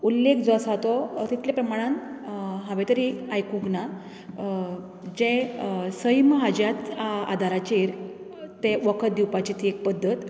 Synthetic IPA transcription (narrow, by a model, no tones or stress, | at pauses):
ulːekʰd͡zɔsat̪ɔt̪it̪ljapɾəmaɽ̃ãnɦãʋet̪əɾiajkũɡna | d͡ʑẽsəjmɦad͡ʑjat̪aa̰d̪ʱaɾat͡ɕeiɾ | t̪eʋəkʰət̪̚d̪iwpat͡ɕit̪ʰiek̚pəd̪ʱːət̪